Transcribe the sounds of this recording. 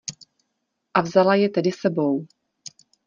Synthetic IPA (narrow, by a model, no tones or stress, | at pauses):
ʔavzalajɛt̪ɛdɪsɛbo̞w